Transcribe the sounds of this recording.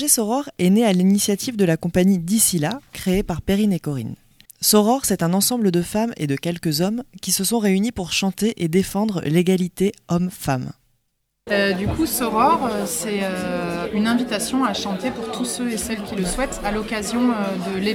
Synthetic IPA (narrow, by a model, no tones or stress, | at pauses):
ʒesɔʁɔʁɛnealinisjat̪ivd̪əlakɔ̃paɲid̪isilakχeepaʁpeʁinekɔʁḭn | sɔʁɔʁsɛt̪ɛ̃nɑ̃sɑ̃bləd̪əfamḛd̪əkʲɛlkəzɔmkʲisəsɔ̃ʁeynipuʁʃɑ̃t̪eʔed̪efɑ̃d̪ʁəleɡalit̪eɔmfam | ød̪ykusɔʁɔʁøsɛøynɛ̃vit̪asjɔ̃aʃɑ̃t̪epuʁt̪ʰusøesɛlkʲiləswɛt̪alɔkazjɔ̃ød̪əle